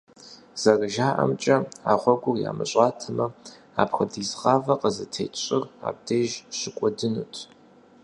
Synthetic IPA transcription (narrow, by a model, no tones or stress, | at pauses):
z̥ɐrɨʒaːʔɐ̰mt͡ʃʼɐa̰ːʁʷɔɡʷʊrja̰ːmɨ̰ɕʼaːtʰɐmɐ | a̰ːpxɐdizʁɑːvɐqəzɨtʰḛːt͡ʃʼɪra̰ːb̚deːʒɕɪkʷʼɔdɨnṵːtʰ